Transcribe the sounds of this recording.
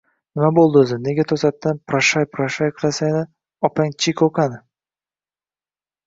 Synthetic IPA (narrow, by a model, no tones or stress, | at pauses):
nɪmabolˠd̪ɵzɪne̞ɡʲat̪ʰɒsat̪ːanpʰɾaʃajpʰɾaʃajqʰɨlˠasajnɪ | ɒpʰaŋt͡ʃʰɪkʲʰoqʰanɪ